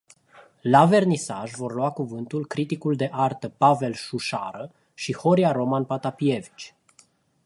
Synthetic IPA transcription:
lave̞rnisa̰ʒvo̞rluakuvɨnt̪ulkɾit̪ikuld̪e̞ʔart̪əpave̞lʃuʃa̰ɾə | ʃiho̞ɾiaɾo̞manpat̪apievit͡ʃʲ

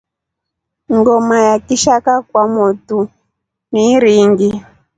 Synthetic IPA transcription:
ŋɡɔmajakiʃakakwamɔtu | niɾiŋɡi

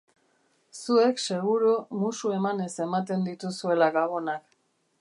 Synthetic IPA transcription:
sue̞kse̞ɣ̞uɾumusue̞mane̞se̞mat̪̬e̞nd̪it̪usue̞laɣaɣo̞nak

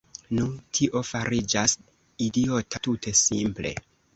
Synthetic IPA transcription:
nuntʰiʔo̞faɾid͡ʒas | idio̞tatutʰe̞simple̞̰

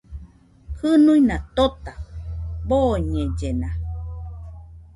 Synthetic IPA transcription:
kɨnuinat̪ot̪aboɲẽd͡ʒena

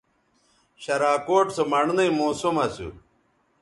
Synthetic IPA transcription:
ɕɐɾaːkoːʈsomɐɳnɐimoːsumɐsṵ

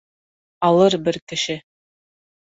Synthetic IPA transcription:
ɑlˠɤɾbɘɾkɘ̆ʃɘ

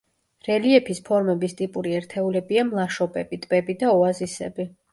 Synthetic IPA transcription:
ɾɛliɛpʰispʰɔɾmɛbist̪ʼipʼuɾiɛɾt̪ʰɛulɛbiamlˠaʃɔpʼɛbit̪ʼb̥ɛbid̪aɔazisɛ̰bi

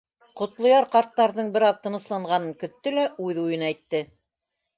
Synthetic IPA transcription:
qŏt̪lˠŏjɑɾqɑɾt̪ːɑɾðɤɴbɘ̆ɾɑðt̪ɤ̆nɤ̆slˠɑɴʁɑnɤŋkɵ̆t̪ːɵlæʔʉðujɤnæjt̪ːɘ

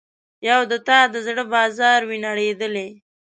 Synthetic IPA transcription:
jawd̪ət̪ɑd̪əzɽəbɑzɑɾwinaɽed̪əle

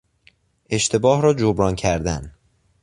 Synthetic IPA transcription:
ʔe̞ʃt̪ʰe̞bɒːhɾɒːd͡ʒobɾɒːncʰæɾd̪æn

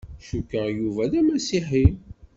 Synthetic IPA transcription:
ʃukːəʁjuvæðæmæsiħi

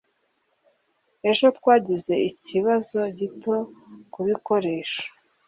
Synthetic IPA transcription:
e̞ʒo̞tkwaːɟize̞iciβazo̞ɟitokuβiko̞ɾe̞ːʃḁ

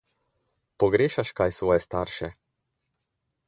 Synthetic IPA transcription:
pɔɡɾeːʃaʃkajsʋɔːjɛst̪aːɾʃɛ

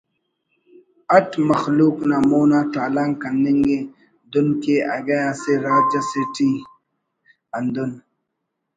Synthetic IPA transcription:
ɐʈmɐxluːknamoːnat̪aːlaŋkɐnːeŋɡe | d̪ʊnkeaɡɛjaseɾaːd͡ʒasiʈiː | and̪ʊn

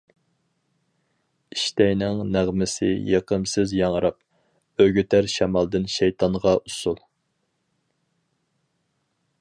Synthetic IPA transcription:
iʃt̪ɛjnɪŋnæʁmɪsɪ̰jeqəmsɪzjɑŋɾɑp̚ | øɡʲyt̪ʰæɾʃɛmɑlˠd̪ɨnʃɛjt̪ʰɑɴʁɑusulˠ

